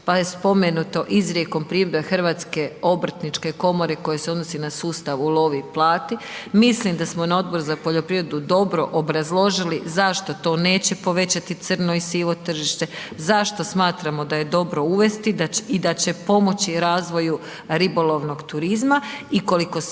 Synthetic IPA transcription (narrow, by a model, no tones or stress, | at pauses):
pajespo̞menut̪o̞ʔizɾjeko̞mpɾiːed̪exr̩ʋaːt̪ske̞o̞br̩t̪nit͡ʃke̞ko̞mo̞ɾe̞ko̞jeseo̞d̪nosinasuːst̪aʋulˠo̞ʋiplˠaːt̪imislimd̪asmo̞nao̞d̪̚bo̞ɾuzapo̞ʎo̞pɾiʋɾe̞d̪ud̪o̞bɾo̞ʔobɾazlˠo̞ʒilizaʃt̪o̞t̪o̞ːne̞ːt͡ɕe̞po̞ʋe̞t͡ɕat̪it̪sɨr̩no̞isiːʋo̞t̪r̩ʒiʃt̪e̞zaʃt̪o̞smaːt̪ɾamo̞d̪aje̞d̪o̞bɾo̞uʋe̞st̪iid̪at͡ɕe̞po̞mo̞t͡ɕiɾaːzʋo̞ju | ɾibo̞lˠo̞ʋno̞ɡt̪uɾizmaiko̞liko̞